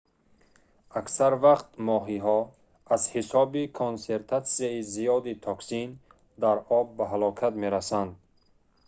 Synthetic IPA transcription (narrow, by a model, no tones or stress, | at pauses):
aksaɾvaqt̪mɔɦiɦɔ | azhisɔbikʰonse̞ɾt̪ʰat̪siaizijɔd̪it̪ʰɔksin | d̪aɾɔbːaɦalɔkʰat̪meɾasand̪